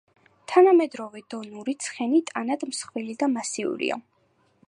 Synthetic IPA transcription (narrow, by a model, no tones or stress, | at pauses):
t̪ʰanamɛd̪ɾɔvɛd̪ɔnuɾit̪sʰχɛnit̪ʼanad̪msχwilid̪amasiṵɾḭa̰